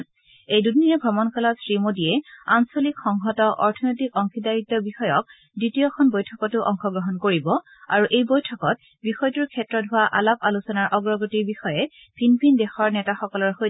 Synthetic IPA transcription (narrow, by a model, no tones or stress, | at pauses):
ejdudniɹɛbʱɹɔmɔnkʰɔlɔsɹimodiɛansolikxɔŋɦɔtɔʔɔ̰ɹtʰɔnojtikɔŋxʰidaɹitːɔbixɔjɔk̚ | ditijɔkʰɔnbojtʰɔkɔtʊʔɔŋxɔɡɹɔɦɔnkoɹibɔ | a̰ɹuʔejbojtʰɔkɔt̚ | bixɔjtuɹkʰɛtɹɔtɦʊwaʔa̰lapalusɔnaɹʔɔɡɹɔɡotiɹbixɔjɛ | pʰinpʰindɛxɔɹnɛtaxɔkɔlɔɹxo